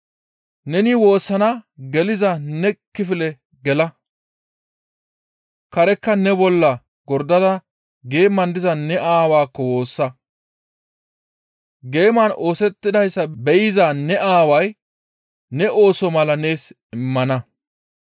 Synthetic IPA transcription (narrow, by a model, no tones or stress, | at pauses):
nɛnɪwo̞ːsːɐnaɡɛlɪzɐnɛkːɪfɪlɛ | ɡɛlɐ | kɐɾɛkːɐnɛbɔlːɐ | ɡɔɾd̪ɐd̪ɐ | ɡe̞ːmːɐnd̪ɪzɐnɛʔaːwaːkːɔwo̞ːsːɐ | ɡe̞ːmɐnʔo̞ːsɛt̪ːɪd̪ɐjsːɐbɛjɪzaːnɛʔaːwɐj | nɛʔo̞ːsɔmɐlɐne̞ːs | ɪmːɐnɐ